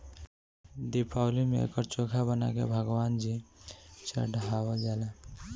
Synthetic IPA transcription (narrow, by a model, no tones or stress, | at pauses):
d̪ipʰaʊlimḛḛkəɾt͡ʃokʰabəna̰kḛbʱəɡwaːnd͡ʒi | t͡ʃə̰ɖʱɦawəd͡ʒala